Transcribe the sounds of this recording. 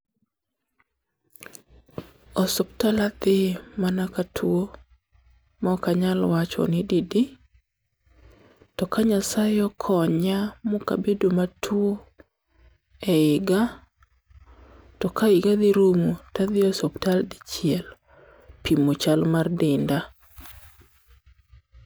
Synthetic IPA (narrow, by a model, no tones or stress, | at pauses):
ɔsɔptalad̪ɪmanakatʰwo | mɔkaɲalwat͡ʃɔ̰nɪdidi | tɔkaɲasajɔkʰɔɲamoka̰bedomatʰwo | ɛɪɡa | tɔkaɪɡad̪ɪɾumutad̪ɪɔsɔptald̪ɪt͡ʃjɪɛl | pimot͡ʃalmardɪnda